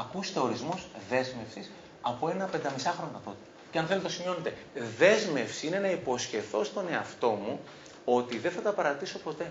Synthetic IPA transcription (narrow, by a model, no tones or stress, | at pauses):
ɐkust̪e̞o̞ɾizmo̞zðe̞zme̞fsis | ɐpoe̞nɐpe̞nd̪ɐmisɐxɾo̞nokɐt̪o̞t̪u̥ | ceɐnθelt̪eosimio̞net̪e̞ | ðe̞zme̞fsiine̞nɐipo̞sçe̞θo̞st̪o̞ne̞ɐft̪o̞mu | o̞t̪iðe̞nθɐt̪ɐpɐɾɐt̪iso̞po̞t̪e̞